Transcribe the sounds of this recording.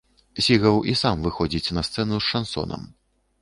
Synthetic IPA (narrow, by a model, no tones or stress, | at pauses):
sʲiɣɐwʔisamvɨxɔd͡zʲit͡sʲnɐst̪sɛnusʂansɔ̰nɐ̰m